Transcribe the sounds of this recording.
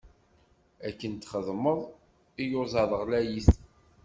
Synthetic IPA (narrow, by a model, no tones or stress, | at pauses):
ækːənt̪ːχəðˤməðˤ | ijozɑðˤəʁlæjiθ